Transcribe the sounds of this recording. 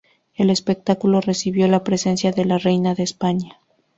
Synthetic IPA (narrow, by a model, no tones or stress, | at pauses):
e̞le̞spe̞k̚t̪akulo̞re̞siβjo̞lapɾe̞se̞nsjaðe̞lare̞jnaðe̞ːspaɲa